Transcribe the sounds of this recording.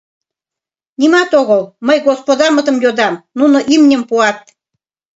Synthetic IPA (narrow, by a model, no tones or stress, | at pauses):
nimɑt̪oɣɤlməjɣospod̪ɑmə̆t̪ə̆mjod̪ɑmnunoʔimnʲəmpuɑt̪̚